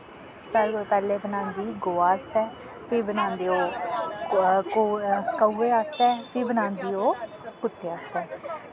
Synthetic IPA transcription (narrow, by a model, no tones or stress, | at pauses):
saɾoːpɛːleːbənãːnd̪iːɡoːaːst̪ɛː | pʰɪbənãːnd̪eːoː | okəuːeːast̪ɛːpʰɪbənãːnd̪iːoː | kʊt̪ːeːaːst̪ɛː